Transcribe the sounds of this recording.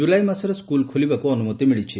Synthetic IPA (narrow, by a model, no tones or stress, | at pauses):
ulajmasɔɾɔskulkʰolibakuɔnumɔt̪imiɭit͡ʃʰi